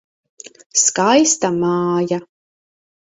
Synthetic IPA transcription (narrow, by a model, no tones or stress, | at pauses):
skajst̪amaːja